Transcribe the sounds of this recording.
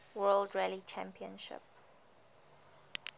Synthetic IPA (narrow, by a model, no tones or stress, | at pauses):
wɜldɹɛlit͡ʃʰæ̃mpʰiə̃nʃɪ̰p